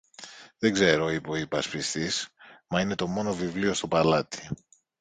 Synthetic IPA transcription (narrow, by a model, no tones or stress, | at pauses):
ðeɡze̞ɾo̞ipo̞ipɐspist̪ismɐine̞t̪o̞mo̞no̞vivlio̞st̪o̞pɐlɐt̪i̥